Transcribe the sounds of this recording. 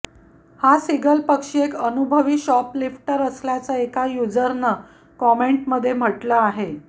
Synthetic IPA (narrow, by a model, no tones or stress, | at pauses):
hasiɡəlpəkʂiekənubʱəʋiːɕɔplifʈəɾəsljat͡səekajud͡zəɾnə | kɔmeɳʈməd̪ʱːjem̤əʈləaɦe